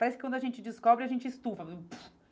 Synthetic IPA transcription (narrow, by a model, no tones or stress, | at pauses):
paɾɛsɪkɪkwɐ̃d̪ʊaʒẽnt͡ʃɪd͡ʒɪskɔbɾɪaʒẽnt͡ʃɪɪst̪uvɐp